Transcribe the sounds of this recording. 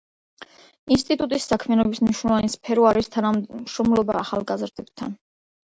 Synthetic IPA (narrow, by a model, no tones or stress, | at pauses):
inst̪ʼit̪ʼut̪ʼisːakʰmiɛanɔbismniʃnɔlɔvanispʰɛɾuaɾist̪ʰanaʃɾɔmlˠɔbaːχalˠɡazɾd̪ɛbt̪ʰa̰n